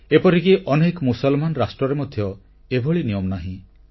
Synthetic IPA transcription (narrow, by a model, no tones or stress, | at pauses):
epɔɾikiʔɔnekɔmusɔlmanɔɾasʈɾɔɾemɔd̪ʱjɔ | ebʱɔɭinijɔmnaɦĩ